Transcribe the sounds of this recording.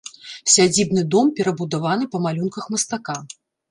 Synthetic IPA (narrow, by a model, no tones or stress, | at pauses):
sʲad͡zʲibnɨd̪ɔmpʲɛɾɐbud̪avan̪ɨpɐmalʲunkɐxmɐst̪aka